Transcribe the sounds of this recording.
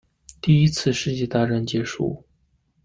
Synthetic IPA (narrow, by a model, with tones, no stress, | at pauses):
t̪i˥˩i˥t͡sʰɹ̩˥˧ʂɻ̩˥˧t͡ɕjɛ˥˧t̪a˥˧ʈ͡ʂa˥˩nt͡ɕjɛ˧˥ʂṵ˥˩